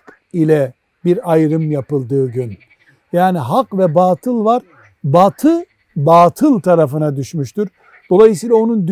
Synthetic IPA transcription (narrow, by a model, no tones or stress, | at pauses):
ilʲɛ | biɾajɾɯmjapɯlˠd̪ɯːɟyn | jaːniɦakvɛbaːt̪ʰɯlˠvaɾ | bat̪ʰɯ | baːt̪ʰɯlˠʲt̪ʰaɾafɯnad̪yʃmyʃt̪uɾ | d̪̥o̞lˠajɯs̬iːlʲˠao̞nund̪y